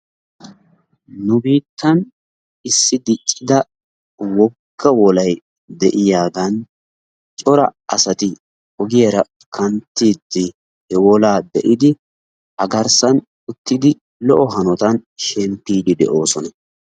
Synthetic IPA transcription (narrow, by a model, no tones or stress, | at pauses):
nʊbiːt̪ʰːɐn | ɪsːɪd̪ɪt͡ʃʼːɪd̪ɐ | wɔkʰːɐwɔlɐj | d̪ɛʔɪjaːɡ̪ɐn | t͡ʃʼɔɾɐɐsɐt̪ɪ | ɔɡɪjɐɾɐ | kʰɐnt̪ːiːd̪ːɪ | hɛwɔlaːd̪ɛʔɪd̪ɪ | ʔɐɡɐɾsɐn | ʊt̪ːɪd̪ɪ | lɔʔɔɦɐnɔt̪ɐnʃɛmpːiːd̪ɪd̪ɛ̰ʔo̞ːsɔnɐ